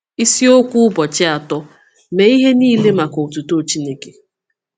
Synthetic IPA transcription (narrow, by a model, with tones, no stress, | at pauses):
i˦si˦o˦kʷu˦ʊ˦bɔ˨t͡ʃɪ˦a˨tɔ˦ | me˨i˦ɦe˦niː˦le˦ma˨ko˨o˨tu˨to˦˨t͡ʃi˦ne˦ke̥˨